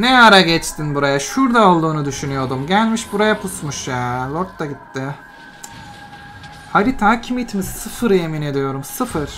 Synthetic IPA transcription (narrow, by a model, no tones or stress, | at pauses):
nɛaɾaɟɛt͡ʃt̪ʰinbuɾajaʃuɾd̪aolˠd̪uːnud̪yʃynyjo̞d̪umɟælʲmiʃbuɾajapʰusmuʃjaːlʲˠoɾt̪ːaɟit̪ːɪ | halit̪ʰacʰimit̪missɯfɯɾe̞mine̞d̪ijo̞ɾumsɯfɯɾ̥